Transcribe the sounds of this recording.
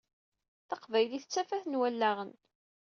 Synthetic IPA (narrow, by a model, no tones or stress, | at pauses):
θɑqvæjliθət͡sːæfæθnwælːæʁən